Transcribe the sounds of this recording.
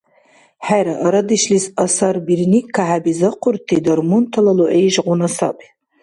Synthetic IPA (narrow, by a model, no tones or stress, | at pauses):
ħajɾaʔaɾadiʃlisasarbirnikʰːaħabizɨqʷʰʊrtʰːidarmuntʰalaloʔejʒʁʷʊnasa̰pʼi